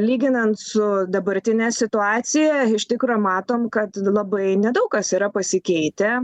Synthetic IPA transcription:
lʲiːɡʲɪnɐnt̪sʊd̪ɐbɐɾʲt̪ʲɪnʲɛːsʲɪt̪ʊɑːsʲɪjɛɪʃt̪ʲɪkɾoːmɑːt̪oːmkɐt̪lˠɐbɐɪnʲɛd̪ɐʊkkɐsiːɾɐpɐsʲɪkʲɛɪt̪ʲɛ

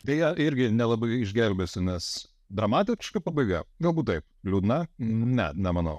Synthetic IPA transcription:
d̪ʲɛjɛʔɪɾʲɡʲɪnʲɛlˠɐbɐɪɪʒʲɡʲɛlʲbʲesʲʊnʲɛs | d̪ɾɐmɑːt̪ʲɪkʃkɐpɐbɐɪɡɐɡɐlˠbuːt̪̚t̪ɐɪp | lʲuːd̪nɐnʲɛ̰nʲɛmɐnɐʊ

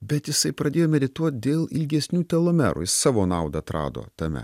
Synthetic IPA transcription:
bʲɛt̪jɪsɐɪpɾɐdʲeːjoːmʲɛd̪ʲɪt̪uɔt̪̚ʲd̪ʲeːlˠɪlʲɡʲɛsʲnʲuːt̪ʲɛlˠoːmʲɛ̰ɾṵjɪssɑːʋoːnɑˑʊd̪ɐt̪ɾɑ̰ːd̪o̰ːt̪ɐmʲɛ̰

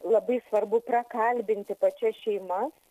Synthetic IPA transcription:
lˠɐbɐɪsʋɐrbʊprɐkɐlʲbʲɪnʲt̪ʲɪpɐt͡ʃʲɛsʃʲɛɪmɐs

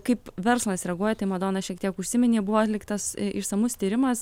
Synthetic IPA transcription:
kɐɪpʋʲɛɾslˠɐsɾʲɛɡuɔjɛt̪ɐɪmɐd̪oːnɐʃʲiɛk̚t̪ʲiɛkʊʃʲsʲɪmʲɪnʲeːbʊʋoːɐt̪ʲlʲɪkt̪ɐsʔɪʃsɐmʊst̪ʲiːɾʲɪmɐs

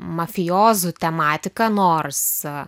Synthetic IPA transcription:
mɐfʲɪjoːzʊt̪ʲɛmɑːt̪ʲɪkɐnoːrs

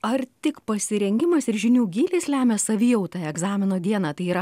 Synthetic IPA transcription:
ɐrt̪ʲɪkpɐsʲɪɾʲɛŋʲɡʲɪmɐsɪɾʒʲɪnʲuːɡʲiːlʲeːslʲæːmʲɛsɐʋʲiːjɛʊt̪ɑɛɡzɑːmʲɪnoːd̪ʲiɛnɑːt̪ɐɪiːɾɐ

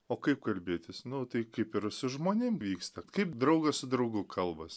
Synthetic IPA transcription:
oːkɐɪp̚kɐlʲbʲeːt̪ʲɪsnʊt̪ɐɪkɐɪpɪɾsʊʒmoːnʲɪmʋʲiːkst̪ɐkɐɪpd̪ɾɐʊɡɐssʊd̪ɾɐʊɡʊkʰɐlˠbɐs

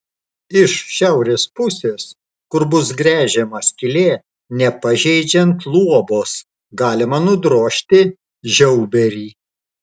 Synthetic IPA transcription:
ɪʃʃʲæˑʊɾʲeːspʊsʲeːs | kʊɾbʊsɡɾʲæːʒʲɛmɐsʲkʲɪlʲeː | nʲɛpɐʒʲɛɪd͡ʒʲɛnt̪lˠuɔboːs | ɡɑːlʲɪmɐnʊd̪ɾoːʃʲt̪ʲɪ | ʒʲɛʊbʲɛɾʲiː

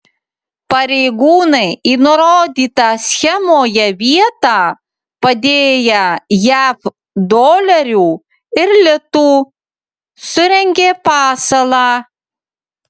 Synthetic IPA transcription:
pɐɾʲɛɪɡuːnɐɪiːnʊɾoːd̪ʲiːt̪ɑsʲxʲɛmoːjɛʋʲiɛt̪ɑː | pɐd̪ʲeːjɛjæːf | d̪oːlʲɐɾʲuː | ɪɾlʲɪt̪uː | sʊɾʲɛŋʲɡʲeːpɑːsɐlˠɑː

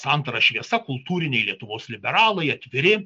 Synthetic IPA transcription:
sɐnt̪ɐɾɐʃʲʋʲiɛsɐkʊlˠt̪uːɾʲɪnʲɛɪlʲiɛt̪ʊʋoːslʲɪbʲɛɾɑːlˠɐɪɐt̪ʲʋʲɪɾʲɪ

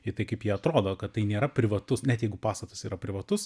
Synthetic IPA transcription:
ɪt̪ɐɪkɐɪpjiɛɐt̪ɾoːd̪oːkɐt̪t̪ɐɪnʲeːɾɐpʲɾʲɪʋɐt̪ʊsnʲɛt̪jɛɪɡʊpɑːst̪ɐt̪ʊsiːɾɐpʲɾʲɪʋɐt̪ʊs

